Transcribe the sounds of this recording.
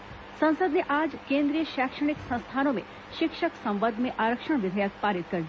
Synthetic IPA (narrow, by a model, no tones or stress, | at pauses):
sɐ̃ñsəd̪neʔaːd͡ʒkẽːnd̪ɾijəʃaːkʃəɽ̃ɪksɐ̃ñst̪ʰaːnõmḛ̃ | ʃɪkʃəksɐ̃mʋəd̪ʱmẽʔaːɾəkʃəɳ̃ʋɪd̪ʱəjək̚paːɾit̪̚kɐɾ